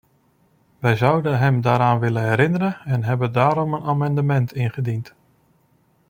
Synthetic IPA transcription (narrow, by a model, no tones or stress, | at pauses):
ʋɛjzʌwdənɦəmdaːɾaːnʋɪləɦɛɾɪnəɾənɛnɦɛbədaːɾɔmənaːmɛndəmɛntʰɪnχədint